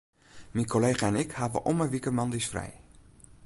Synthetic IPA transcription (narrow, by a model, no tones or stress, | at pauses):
minkʰoleːχaɛnɪkhaːʋə̰ʔɔməʋikəmɑndisfrɛ̰j